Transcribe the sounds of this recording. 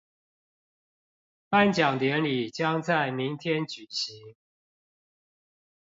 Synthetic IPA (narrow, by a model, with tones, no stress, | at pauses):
pa˥˨nt͡ɕjɑ˨˩ŋt̪jɛ˨˦nli˨˩t͡ɕjɑ˦ŋt͡sa˥˩ɪmi˨˦ŋt̪ʰjɛ˥˦nt͡ɕy˨˩ɕi˨˦ŋ